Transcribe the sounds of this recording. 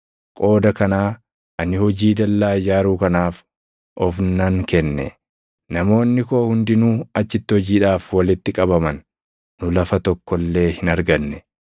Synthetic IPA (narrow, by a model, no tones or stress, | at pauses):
kʼo̞ːd̪ɐkɐnaː | ʔɐnɪhɔd͡ʒiːd̪ɐlːaːd͡ʒaːɾuːkɐnaːf | ʔɔfnɐŋkɛnːɛ̰ | nɐmo̞ːnːɪko̞ːhʊnd̪ɪnuːɐt͡ʃːɪt̪ːɪhɔd͡ʒiːᶑaːfwɐlɪt̪ːɪkʼɐbɐmɐnː | ʊlɐfɐt̪ɔkːɔlːe̞ːhɪnɐɾɡɐnːɛ